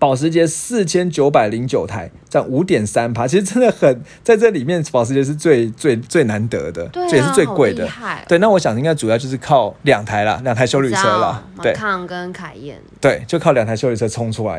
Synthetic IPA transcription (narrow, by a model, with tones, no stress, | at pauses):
pɑ˨˩ʊʂ̬ɻ̩˧˥t͡ɕjɛ˦˥sɹ̩˥˩t͡ɕʰjɛ˥nt͡ɕjo˧˥ʊpa˨˩ɪli˧˥ŋt͡ɕjo˨˩ʊt̪ʰa˧˥ɪ | ʈ͡ʂɑ˥˩ŋu˧˥t̪jɛ˨˩nsa˦npʰa˥t͡ɕʰi˧˥ʂ̩˧˥ʈ͡ʂə˥nd̪ə˨xə˨˩nt͡sa˥˧ɪʈ͡ʂə˥˨li˨˩mjɛ˥˨npɑ˨ʊʂ̬̩˧˦˥t͡ɕjɛ˧˥ʂ̬ɻ̩˥˧t͡swe˥˧ɪt͡swe˥˩ɪt͡swe˥˩ɪna˧˦nt̪ɤ̰˧˦d̪ə̰˨˥˩jɛ˨˩ʂ̬̩˥˧t͡swe˥˧ɪkwe˥˩ɪd̪ə̰˨we˥˧ɪna˥˩wɔ˦˥ɕjɑ˨˩ŋi˥ŋka˥˩ɪʈ͡ʂu˨˩jt͡ɕjo˥˧ʊʂɻ̩˥˧kʰɑ˥˩ʊljɑ˨˩ŋt̪ʰa˧˥ɪlɐ̰˧˨ljɑ˨˩ŋt̪ʰɪɕjo˥ʊly˥˨t͡sʰɤ˥lɐ̰˨t̪we˥˩ɪ˧ŋkə˦nkʰa˨˩ɛ̰˥˩nt̪we˥˩ɪt͡ɕo˥˧˥kʰljɑ˨˩ŋt̪ʰa˧˥ɕo˥ʊly˥˩t͡sʰɤ˧t͡sʰʊ˥ŋʈ͡ʂʰu˥la̰˧˦ɪ